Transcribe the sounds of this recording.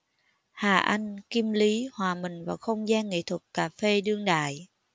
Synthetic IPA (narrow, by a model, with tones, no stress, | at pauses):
haː˨˩ʔa˧jŋ̟ki˧mli˨˦hwaː˨˩mï˨˩ŋ̟vaː˨˩wxə˧wŋ͡mzaː˧nŋḛ˧˨t̪ʰwə˨˩t̚kaː˨˧˩fe˧ɗɨ˧əŋɗa̰ː˧˨j